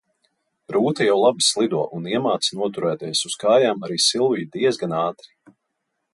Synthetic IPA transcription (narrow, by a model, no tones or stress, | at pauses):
ɾuːt̪ɐjawlˠabislˠid̪uɔʔuniɛmaːt̪snuɔt̪uɾɛːd̪ɛːjsuskaːjaːmaɾiːsilˠviːd̪iɛzɡanaːt̪ɾi̥